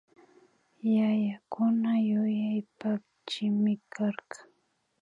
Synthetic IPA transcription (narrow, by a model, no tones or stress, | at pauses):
jajakʊnajʊjajpa | t͡ʃɪmɪkʰɑɾɢɑ̥ŋ